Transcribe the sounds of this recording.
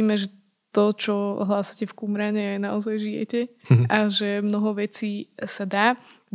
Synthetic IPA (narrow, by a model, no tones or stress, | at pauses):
iːmɛʒɛ | t̪ɔt͡ʃɔɦlaːsacɛfkumɾaɲɛanaɔzajʒijɛ̰cɛʔaʒɛmnɔɦɔʋɛt͡siːsad̪aː